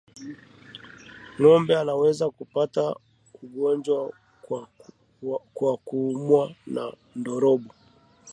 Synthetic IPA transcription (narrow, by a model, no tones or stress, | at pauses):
ŋɔmbɛanawɛzakupata | uɠɔnd͡ʒwa | kwakumwana | ndɔɾɔɓɔ